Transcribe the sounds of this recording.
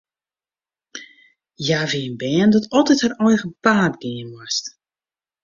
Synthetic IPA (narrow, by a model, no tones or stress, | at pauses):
jaːviənbɛːəndɔtɔlˠtɛthərɔjɣəpaːdɡɪənwɔst